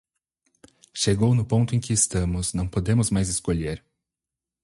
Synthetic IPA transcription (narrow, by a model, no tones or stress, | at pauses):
ʃeɡownʊpõnt̪ʊẽj̃kɪːst̪ɐ̃mʊznɐ̃w̃pod̪ẽmʊzmajzɪskoʎeɾ